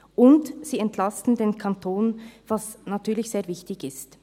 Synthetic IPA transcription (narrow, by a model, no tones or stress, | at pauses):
ʔʊntsiːɛntʰlastn̩deːnkʰɑntʰoːnv̥ɑsnɑtyːlɪçz̥eːɐvɪçtɪçɪst